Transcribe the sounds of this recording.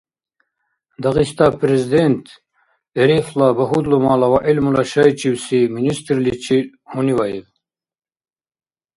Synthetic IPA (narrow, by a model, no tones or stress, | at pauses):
d̪ɑɣist̪apʰɾezid̪ent̪ʰ | eɾeflabɐɦud̪lumalawaʔelmulaʃajt͡ʃiwsiminist̪ɾlit͡ʃʰi | huniwajev